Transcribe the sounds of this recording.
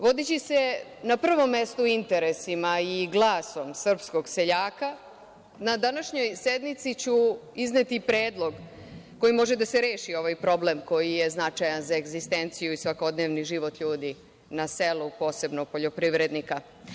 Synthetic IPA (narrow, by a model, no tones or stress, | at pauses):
ʋo̞d̪it͡ɕisenapr̩ʋo̞mːest̪oint̪e̞ɾesimaiɡlˠaːso̞msr̩psko̞ɡseʎaːka | nad̪anaʃɲo̞jsed̪nit̪sit͡ɕuiznet̪ipɾeːd̪lˠo̞ɡ | kːo̞jimo̞ʒed̪aseɾeːʃio̞ʋajpɾo̞blemko̞jije̞znat͡ʃajanzaeɡzist̪ent̪sijuisʋako̞d̪neːʋniʒiʋo̞t̪ʎuːd̪i | naselupo̞ːse̞bnoɡ̚po̞ʎo̞pɾiʋɾe̞d̪nika